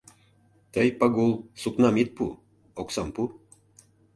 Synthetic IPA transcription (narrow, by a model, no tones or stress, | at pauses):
t̪əjpɑɡulˠsuknɑmit̪̚pu | oksɑmpu